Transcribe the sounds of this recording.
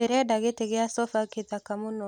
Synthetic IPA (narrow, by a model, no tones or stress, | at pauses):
eɾɛdaɡeteɡeasɔfaketakamunɔ